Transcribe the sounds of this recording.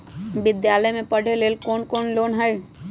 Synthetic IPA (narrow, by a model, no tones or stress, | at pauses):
bɪd̪jaːləmẽpəɽ̤ʱeleːlkoːnkoːnloːnɦəi